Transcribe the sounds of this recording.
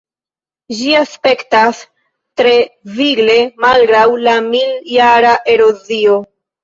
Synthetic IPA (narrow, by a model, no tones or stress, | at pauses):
d͡ʒiaspe̞ktas | tɾe̞viɡle̞malɡɾawlamiljaɾaʔe̞ɾo̞zio̞